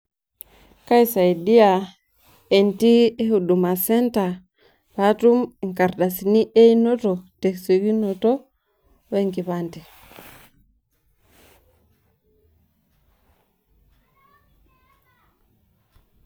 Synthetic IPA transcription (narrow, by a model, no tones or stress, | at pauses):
kaisaidia | entiehudumasɛnta | βatumŋkaɾdasiniʔeinototekseɡinoto | weŋɡiβante